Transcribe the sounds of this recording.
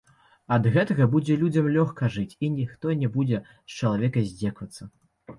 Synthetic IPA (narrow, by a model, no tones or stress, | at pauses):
ɐd̪ɣɛt̪ɐɣɐbud͡zʲɛlʲud͡zʲɐmlʲɔxkɐʐɨt͡sʲinʲixt̪ɔnʲɛbud͡zʲɛ | st͡ʃɐlˠavʲɛkɐzʲd͡zʲɛkvɐt̪sːɐ